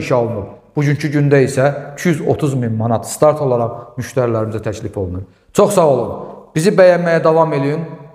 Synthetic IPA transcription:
ʃolˠnub̚b̥uɟyɲcʰyɟynd̪æisæicʰyyzo̞̰t̪ʰuzminmɑnɑt̪ʰst̪ɑɾt̪ʰo̞lˠɑɾɑʁmyʃt̪æɾilæɾimizæt̪ʰæcʰlifo̞lˠnuɾ | t͡ʃʰo̞χsɑɣolˠunb̥izibæjænmæjæd̪ɑvɑme̞lijin

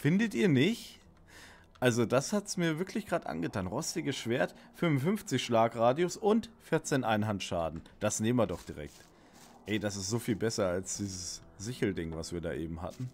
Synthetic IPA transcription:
fɪndətʔiːɐnɪçt | ʔalzodashatsmiːɐvɪɐklɪçɡ̥ʁaːtʔa̰nɡətʰaːnʁɔstɪɡəsʃv̥eːɐtfʏnvʊnfʏnft͡sɪçʃlaːkʁaːdiosʊntfɪɐt͡seːnʔaɪnɦantʃa̰ːdn̩d̥asneːmvɐdɔχd̥iʁɛ̰k̚t | hɛɪdasɪstz̥oːfiːlbɛsɐalsd̥iːzəs | zɪçl̩dɪŋvasv̥iːɐda̰ːʔeːbm̩ha̰tn̩

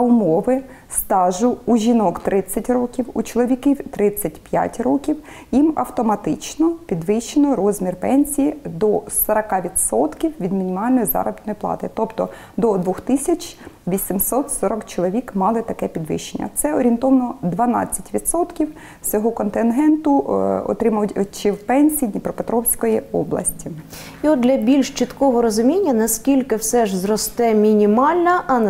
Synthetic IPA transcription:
ɐʊmɔʋɪst̪ɑʒʊuʒʲinɔkt̪ɾɪt͡sʲːɐtʲrɔkʲiwut͡ʃɔlˠɔʋʲikiwt̪ɾɪt͡sʲːɐtʲpja̰tʲrɔkʲiw | jimɐ̰wt̪ɔmɐt̪ɪt͡ʃnɔpʲid̪ʋɪʃt͡ʃenɔɾɔzʲmʲirpɛnʲsʲijid̪ɔsɐɾɐkɑʋʲid̪sɔt̪kʲiwʋʲid̪mʲinʲimɑlʲnɔjizɑ̰ɾɔbɪt̪nɔjiplˠɑ̰t̪ɪt̪ɔpt̪ɔ | d̪ɔd̪ʋɔxt̪ɪsʲɐt͡ʃʋʲisʲimsɔt̪sɔɾɔkt͡ʃɔlˠɔʋʲikmɑlˠɪt̪ɐkɛpʲid̪ʋɪ̰ʃenʲːɐ̰t̪sɛɔɾʲint̪ɔʋɐnɔd̪ʋɐnɑ̰t͡sʲːɐtʲʋʲid̪sɔt̪kʲiw | sʲɔɦɔkɔnt̪ɪnɦɛnt̪ʊɔ̰t̪ɾɪmɐʋtʲt͡ʃɪwpɛnʲsʲijinʲipɾɔpet̪ɾɔwsʲkɔjiɔ̰blˠɐ̰sʲtʲi | iɔtd̪d̪lʲɐbʲilʲʃt͡ʃɪt̪kɔɦɔɾɔzʊmʲinʲːɐnɐskʲilʲkɪwsɛʒzɾɔst̪ɛmʲinʲimɑlʲnɐʔɐ

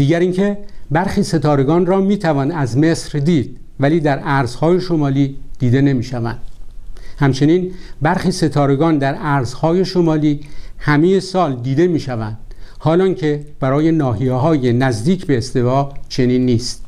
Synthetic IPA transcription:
d̪̥iːɡæɾiŋkʰe̞bæɾxiːse̞t̪ʰɒːɾe̞ɡɒːnrɒːmiːt̪ʰævɒːnæzme̞sɾd̪iːd̪̥̚ | væliːd̪æɾæɾz̥hɒːje̞ʃo̞mɒːliːd̪̥iːd̪e̞ne̞miːʃævæ̰nd̪̥hæmt͡ʃʰe̞niːnbæɾxiːse̞t̪ʰɒːɾe̞ɡɒːnd̪æɾʔæɾz̥hɒːje̞ʃomɒːliːhæmeje̞sɒːld̪iːd̪e̞miːʃævænd̪̥hɒːlɒːŋcʰe̞b̥æɾɒːje̞nɒːɦijeɦɒːjenæzd̪iːcʰbe̞ːst̪e̞vɒːt͡ʃʰe̞niːnːiːst̪̚

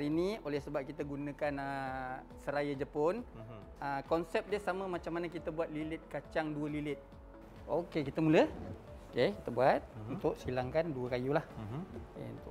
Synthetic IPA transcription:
ɾiniolɛhsəbap̚kit̪əɡunə̃kanə | səɾajəd͡ʒəpʊn | əkɔnsɛp̚diəhsaməmat͡ʃamːanəkit̪əbuat̪̚lilɪt̪̚kat͡ʃaŋduəlilɪt̪̚ | okekit̪əmulə | okeki̥t̪əbuat̪̚unt̪ʊʔsilaŋkanduəkajulah | ḛunt̪ʊ̰ʔ

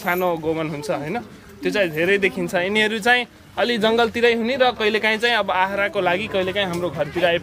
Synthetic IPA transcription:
sʰanoɡomʌnɦunt͡sʰʌɦʌjnʌ | t̪jot͡saĩd̪ʱeɾʌjd̪ekʰint͡sʰʌiniɦʌɾut͡saĩ | ʌlid͡zʌŋɡʌlt̪iɾʌjɦuniɾʌkʌɦilekaĩt͡saĩʌbʌaɦɾakolaɡikʌɦilekaĩɦamroɡʱʌrt̪iɾaep

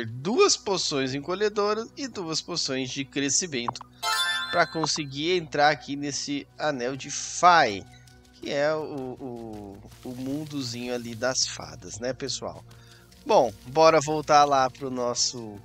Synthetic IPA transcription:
eɾd̪uɐsposõj̃zẽkoʎed̪oɾɐsɪd̪uɐsposõj̃zd͡ʒɪkɾesimẽnt̪ʊ̥pɾɐkõsɪɡiɾẽnt̪ɾaɾakʰinesɪanɛwd͡ʒɪfaj | kʰɪɛʊː | ʊmũnd̪ʊzĩɲʊalid̪ɐsfa̰d̪ɐznɛpesua̰w | bõw̃bɔɾɐvowt̪aɾlapɾʊnɔsʊ

